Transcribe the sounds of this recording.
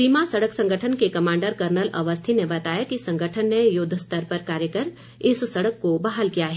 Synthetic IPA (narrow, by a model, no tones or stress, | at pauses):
siːmasɐɽəksɐ̃ŋɡʱəʈʰənkekɐmãːɳɖəɾkɐɾnəlɐʋəst̪ʰinebɐt̪aːjakisɐ̃ŋɡʱəʈʰənːejʊd̪ʱːəst̪əɾpɐɾkaːɾjəkəɾ | ɪssɐɽəkːobaɦəlkijaɦɛː